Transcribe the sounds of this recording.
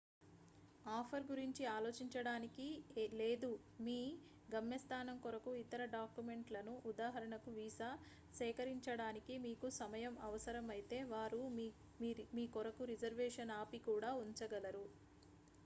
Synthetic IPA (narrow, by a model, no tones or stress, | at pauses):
aːpʰɐɾɡuɾiɲt͡ʃiaːlo̞ːt͡ʃiɲt͡ʃɐɽaːnikile̞ːd̪u | miː | ɡɐmjɐst̪ʰaːnɐmkɔɾɐkuit̪ɐɾɐɖaːkjume̞ɳʈlɐnuʔud̪aːɦɐɾɐɳɐkuʋiːsa | sɛːkɐɾiɲt͡ʃɐɽaːnikimiːkusɐmɐjɐmɐʋɐsɐɾɐmɐjt̪e̞ːʋaːɾu | miːkɔɾɐkuɾid͡ʒɐɾʋɛːʂɐnaːpikuːɽaːuɲt͡ʃɐɡɐlɐɾu